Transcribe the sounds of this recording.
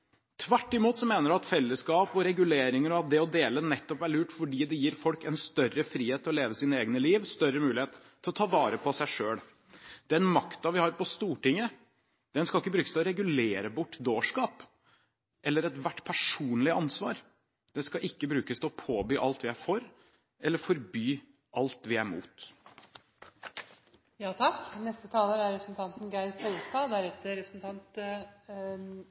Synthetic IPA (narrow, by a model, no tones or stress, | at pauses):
t̪ʰʋæʈːɪmuːt̪sɔmeːnəɾɑt̪fɛlːəskɑːpɔɾɛɡʉleːɾɪŋəɾɔɑt̪̚d̪ɛɔd̪eːlənɛt̪ːɔpæɭʉːʈfɔɖiːd̪ɛjiːɾfɔlkɛnst̪œrːəfɾiːheːt̪ʰːɔleːʋəsiːnəeːɡənəliːʋst̪œɾəmʉːlɪeːt̪ʰːɪlɔt̪ʰɑːʋɑːɾəpʰɔsæɪʂøːɽ | d̪ɛnmɑkt̪ɑʋɪhɑɾpɔst̪uːʈɪŋːə | d̪̥ɛnskɑlɪkːəbɾʉːkə̥st̪ɛɔɾɛɡʉleːɾəbʊʈːd̪oːʂkɑːp | ʔɛlːəɾɛt̪ʋæʈːpʰæʂuːnlɪəɑnsʋɑ̰ːɾ | d̪̥ɛskɑʔɪkːəbɾʉːkəst̪ʰɪlɔpʰoːbyːʔɑlt̪ʋɪæfɔɾ | ʔɛlːəɾfɔɾbyː | ʔɑlt̪ʋɪæɾmṵːt̪ | jɑːt̪ʰɑkːnɛst̪ət̪ʰɑːləɾæɾɛpɾəsn̩t̪ɑnt̪n̩ɡæɪpʰɔlst̪ɑd̪æɾɛt̪ɾɛpɾəsn̩t̪ʰɑnt̪